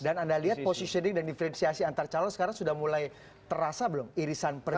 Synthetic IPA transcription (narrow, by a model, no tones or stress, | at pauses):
danandaliɦat̪̚posisənɪŋdandifəɾɛnsiasiant̪art͡ʃalɔnsə̥kaɾaŋsudahmulaj | t̪əɾasabəlʊmiɾisanpər